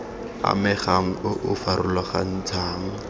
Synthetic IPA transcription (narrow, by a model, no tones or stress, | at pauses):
a̰mɛχaŋ̩ʊʔʊfaɾʊlwaχa̰n̩t͡sʰaːŋ̩